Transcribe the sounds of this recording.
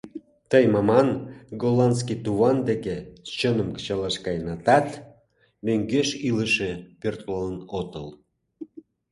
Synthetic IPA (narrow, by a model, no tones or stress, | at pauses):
t̪əjmɑmɑnɡolɑnt͡skit̪uβɑnd̪eket͡ɕənəmkə̥t͡ɕɑlɑʃkɑjnɑt̪ɑt̪ | møŋɡeʃiləʃepørt̪lɑənot̪əl